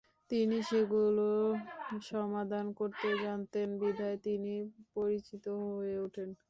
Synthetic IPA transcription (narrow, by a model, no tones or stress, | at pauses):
t̪iniʃeɡulo | ʃɔmad̪ʱankoɾt̪ed͡ʑant̪enbid̪ʱaet̪inipoɾit͡ɕit̪oɦɦoeuʈʰen